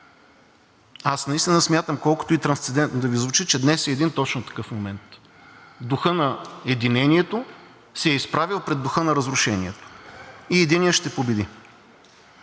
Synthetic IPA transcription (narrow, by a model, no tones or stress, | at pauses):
asnɐist̪inɐsmʲjat̪əmkɔlˠkʊ̥t̪oit̪ɾɐnst̪sɛd̪ɛnt̪nod̪ɐvizvʊt͡ʃit͡ʃɛd̪nɛsɛːd̪int̪ɔt͡ʃnʊt̪ɐ̥kɤfmomɛnt̪ | d̪ʊxɤnɐɛd̪inɛniɛt̪o | sɛɛispɾavilˠpɾɛd̪ːʊxɤnɐɾɐzɾʊʃɛniɛt̪o̥iɛd̪iniəʃt̪ɛpobɛd̪i